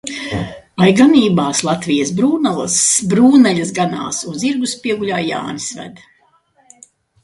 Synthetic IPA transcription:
ajɡaniːbaːslˠat̪vijasbɾuːnalˠa̰sbɾuːnalʲɐsɡana̰ːsuziɾɡuspʲiɛɡuʎʲaːjja̰ːnisvæ̰d̪

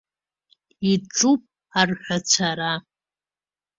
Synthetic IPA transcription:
iʈ͡ʂʼupʼ | arħʷat͡sʷʰaɾa

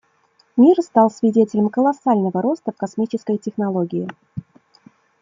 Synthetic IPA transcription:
mʲirst̪ɑlˠsvʲɪdʲetʲɪlʲəmkəlˠɐsalʲnəvəɾo̞st̪əfkɐsmʲit͡ɕɪskəjtʲɪxnɐlˠo̞ɡʲɪjɪ

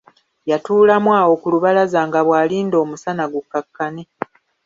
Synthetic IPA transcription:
jatuːlamwaːwo̞kuluβalazaːŋɡaβwaːliːndo̞ːmusanaɡukːakːane

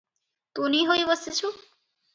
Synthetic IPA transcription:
t̪uniɦojbɔsit͡ɕʰu

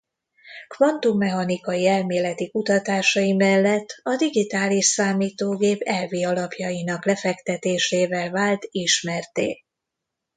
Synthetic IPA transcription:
kvɒnt̪umːɛɦɒnikɒjiɛlmeːlɛt̪ikut̪ɒt̪aːʃɒjimɛlːɛt̪ːɒd̪iɡit̪aːliʃsaːmiːt̪oːɡeːpɛlviːɒlɒpjɒjinɒklɛfɛkt̪ɛt̪eːʃeːvɛlvaːlt̪iʃmɛrt̪ḛː

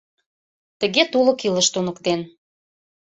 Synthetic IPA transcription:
t̪ə̆ɣet̪ulɤ̆kilə̆ʃt̪unə̆kt̪en

